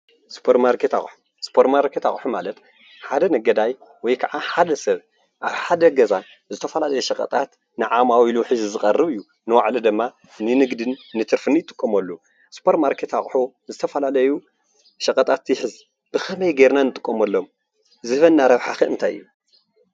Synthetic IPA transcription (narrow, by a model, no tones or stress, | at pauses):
spʰoɾmaɾkʰet̪a̰u | spʰoɾmaɾkʰet̪a̰χʼħumalɐt̪ | ħad̪ɐnɐɡɐd̪ajwɔjkʰaʕaħad̪ɐsɐβ | ʔaβħad̪ɐɡɐza | zɨt̪ʰɐfɐlalɐjuʃɐkʼɐ̰t̪ʼat̪ | nɨʕamawiluħɨzzɨxʼɐrːɨβɨjːu | nɨwaʕlid̪ɨmːa | nɨnɨɡd̪ɨnːɨt̪ʰɨɾfɨnɨjɪt̪ʼɨkʼːɐmɐlːu | spʰoɾtmaɾkʰet̪aχʼħu | zɨt̪ʰɐfɐlalɐju | ʃɐkʼɐt̪ʼat̪ːjħɨz | b̥ɨxɐmɐjɡeɾnanɨt̪ʼɨkʼːomɐlːo̞m | zɨβɐnːaɾɐβħaxɨɨnt̪ʰajɨ̰jːu